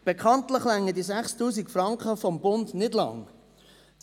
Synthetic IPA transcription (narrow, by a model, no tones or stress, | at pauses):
b̥ekʰɑntləχlæŋːədizæχstuːsikfrɑŋkχəfɔmbʊndnɪdlɑ̰ŋ